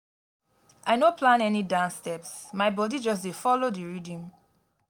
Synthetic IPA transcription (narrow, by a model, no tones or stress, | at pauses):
aɪnopʰlãnɛnidãnstɛpsmaɪbɔdid͡ʒɔs̬defɔlodiɹidĩm